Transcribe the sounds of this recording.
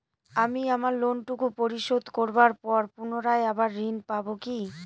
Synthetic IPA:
amiamaɾlonʈukupoɾiʃod̪ʱkoɾbaɾpɔɾpunoɾaeabaɾːinpaboki

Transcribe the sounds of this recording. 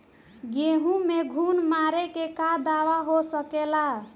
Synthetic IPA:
ɡeɦũmeɡʱunmaɾekekad̪aʋaɦosəkela

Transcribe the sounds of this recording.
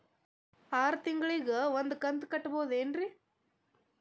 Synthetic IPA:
aːɾt̪ɪŋɡɐɭiɣɐʋɐnd̪ɯkɐnd̪ɯkːɐʈːɐpoːðendri

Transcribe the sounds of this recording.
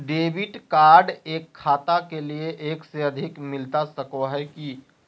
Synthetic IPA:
ɖeːbɪʈkaːɾɖeːkʰːaːt̪akelieʔeːkseɐd̪ʱɪkmɪlt̪asəkoɦɛki

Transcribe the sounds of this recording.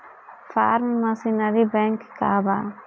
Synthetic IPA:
faɾmmasinaɾibɛŋkkaba

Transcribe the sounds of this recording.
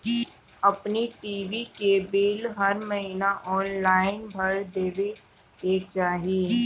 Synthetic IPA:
ɐpniʈiːʋikebeːlɦɐɾmɐɦiːnaʔɔːnlaːɪnbʱɐɾd̪eːʋe | eːkt͡ʃaːɦiiː

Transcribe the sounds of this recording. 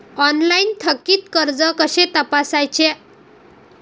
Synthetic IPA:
ɔnlaint̪ʰəkːiːt̪kəɾd͡zəkəɕet̪əpasajt͡ɕe

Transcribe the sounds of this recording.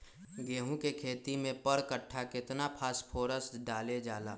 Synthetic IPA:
ɡeːɦũkekʰeːt̪imẽpəɾkəʈʰːakɪt̪napʰaːspʰoːɾəst̪ɖaːled͡ʒaːla̰ː

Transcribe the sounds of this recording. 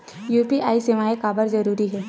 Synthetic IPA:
juːpiʔaːisemaːekaːbəɾzɐɾuːɾiɦɛː

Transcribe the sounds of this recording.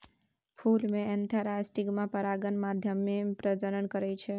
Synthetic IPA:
pʰulmẽɛnt̪ʰaɾasʈikmãpəɾaɡənmad̪ʱjəmːepɾəd͡ʒəɾəɳkəɾejt͡ʃʰe

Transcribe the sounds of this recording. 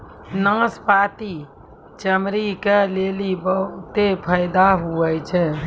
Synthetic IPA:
nãspaːt̪i | t͡ʃəmɾikeleːlibəɦʊt̪epʰəɪd̪aɦuət͡ʃʰɛ

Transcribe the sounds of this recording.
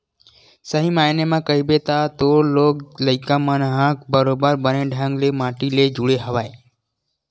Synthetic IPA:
səɦiːmaːjnemãːkəibeːt̪at̪oːloːkləɪkãːmənɦãk̚bəɾobəɾbəneɖʱãŋɡlemaːʈiːled͡ʒuɽeɦəʋaːe

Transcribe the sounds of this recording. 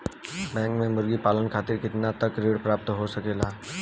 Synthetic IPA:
bɛ̃ːŋkmẽmʊɾɡipaːlənkʰaːt̪ɪɾkɪt̪nat̪ɐkɾeːɽpɾaːp̚t̪ɦosɐkeːlaː

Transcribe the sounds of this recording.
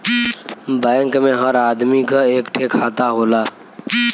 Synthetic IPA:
bɛːŋkmẽɦəɾaːd̪mikaeːkʈʰekʰaːt̪aɦoːlaː

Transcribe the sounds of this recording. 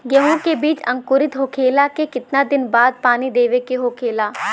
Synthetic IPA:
ɡjɐɦõkebiːt͡ʃɐ̃ŋkʊɾɪt̪ɦokʰeːlakekɪt̪nad̪ɪnbaːd̪̚paːnid̪eːʋekeɦoːkʰeːlaː

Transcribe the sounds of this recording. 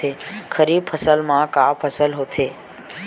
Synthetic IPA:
ekʰəɾib̚fʰəsəlmãkapʰəsəlɦot̪ʰe

